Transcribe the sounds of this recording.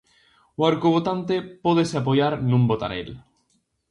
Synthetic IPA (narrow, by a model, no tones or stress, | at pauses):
waɾkoβ̞ot̪ant̪epoðeseap̬oʝaɾnũmbot̪a̰ɾḛl